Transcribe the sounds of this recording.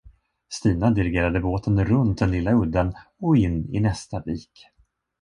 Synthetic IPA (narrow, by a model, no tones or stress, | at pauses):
st̪iːnad̪ɪɾɪɡeːɾad̪əboːt̪ʰənɾɵnt̪̚d̪ɛnlɪlːaɵd̪ːanɔɪnːɪ̰nɛst̪abiːk